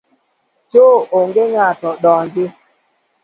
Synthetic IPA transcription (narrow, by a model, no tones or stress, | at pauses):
t͡ʃooŋɡeŋatɔɗɔŋɡɪ